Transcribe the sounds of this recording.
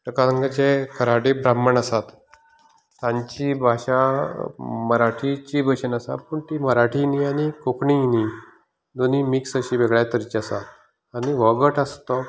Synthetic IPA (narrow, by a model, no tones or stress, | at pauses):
ʈəkaəŋɡət͡ɕekʰəɾaɽibɾaməɳasat̪ː | ãɲt͡ɕibʱaɕa | məɾaʈʰit͡ɕibʱəɕənəsa̰pəɳt̪iməɾaʈʰinianikokɳini | d̪oniːmiksəɕiːʋeɡɭjat̪əɾt͡ɕasat̪ | aniʋɔɡəʈəst̪ɔ